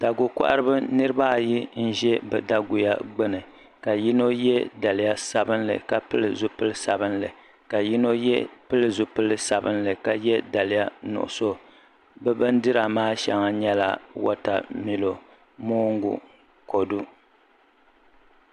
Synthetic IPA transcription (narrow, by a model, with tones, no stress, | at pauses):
d̥a˨ɡu˨kʷa̰˦ʔa˦ɾɨ˦bɨ˦nɨ˦ɾɨ˦ba˦˨ji˦n̩˦ʒɛ˦bɛ˨da˦ɡu˨ja̰˦ɡ͡bɛ˦nɨ˨ | ka˨ji˦no˦jɛ˦da˨lɪ˨˦ja˦sa˨bɨ˦nlɨ̰˨ka˨pɨ˦lɨ˨zu˦pɨ˦lɨ˦sa˨bɨ˦nlɨ˨ | ka˨ji˦no˦jɛ˦pɨ˦lɨ˨zu˨pɨ˦lɨ˨sa˨bɨ˦nlɨ˨ka˨jɛ˦da˨lɪ˦ja˦nʊ̰˨ʔʊ̰˨so˦ | bɛ˦bɨ˦ndɨ˦ɾa˨maː˦ʃa̰˨ŋa˨ɲɛ˦la̰˨wɔ̰˦ta̰˨mi˨lo˨ | moː˦ŋɡṵ˨ | ko˨du˦